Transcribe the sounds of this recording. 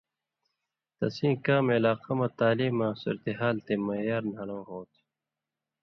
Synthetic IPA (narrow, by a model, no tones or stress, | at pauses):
t̪ɐ̰sĩːkaːmeːlaːqɐmɐt̪aːliːmːãsṵːɾɐt̪eɦaːlt̪emɐjaːɾnɐɽõːɦoːt̪ʰi